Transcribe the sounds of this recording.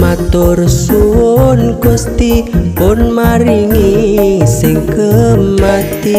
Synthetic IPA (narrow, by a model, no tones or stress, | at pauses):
mat̪ʊrsuwonɡust̪ipʊnmaɾiŋisɪŋkəmat̪i